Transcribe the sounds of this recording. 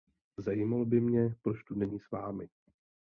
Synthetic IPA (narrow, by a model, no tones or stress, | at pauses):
zajimalbɪmɲɛpɾot͡ʃt̪unɛɲiːsvaːmɪ